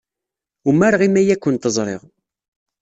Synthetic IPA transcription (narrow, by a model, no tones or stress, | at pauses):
umæɾʁimæjækʷːənt̪əzˤɾˤḛʁ